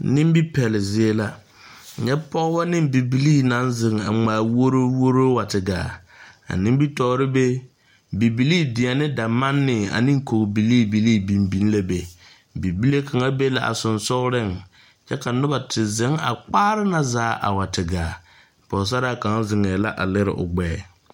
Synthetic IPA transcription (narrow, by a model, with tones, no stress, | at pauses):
nɪ˦m˦bi˦pɛ˨lɪ˨zɪ˦e˦la˦˨ | ɲɛ˦pɔ˦a˦nɪ˦mbi˨bi˦liː˦na˨˦nzɪ˨ŋ˨a̰˨ŋ͡maː˨˦˨wo˦ɾo˦wo˦ɾo˦wa˨tɪ˨ɡa̰ː˨ | a̰˨nɪ̃˦m˦bi˦tɔː˦ɾɪ˦be˦ | bi˨bi˨liː˦dɪ˨a˨nɪ˦da˨ma˦nːɪ˨a̰˨nɪ̃˦ŋ˦ko˨kbi˨liː˦bi˨liː˦bi˨mbi˨˦n˦la˦be˨ | bi˨bi˦le˦kʰa˨ŋa˦be˦la̰˨ʔa̰˨sʊ˨nsʊ˦ɣɾɪ˦˨ŋ | t͡ʃɛ˦ka˨nʊ˦ba˨tʰɪ˨zɪ˦ŋa̰˨k͡paː˦ɾɪ˦na˨zaː˨˦ʔa̰˨wa˨tɪ˨ɡaː˨ | pɔ˨s̬a˦ɾa˦˨ka˨˦ŋ˦zɪ˨ŋɛː˨la˦ʔa̰˨lɪ˦ɾɪ̰˨ʔʊ̰˨ɡ͡bɛː˨˦˨